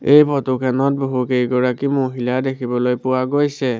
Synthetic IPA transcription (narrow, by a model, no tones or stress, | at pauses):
ejpʰɔtukʰanɔt̚boɦukejɡɔɹakimoɦiladekʰibɔlojpʊwaɡojsɛ